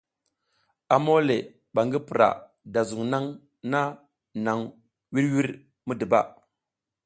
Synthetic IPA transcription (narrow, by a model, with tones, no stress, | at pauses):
a˨mo˦le˨ | ɓa˨ŋɡi˦pɾa̰˨ | da˨zu˨ŋna˦ŋ | na˦ | na˨ŋ | wi˦ɾwi˦ɾ | mu˦di˨ba̰˦˨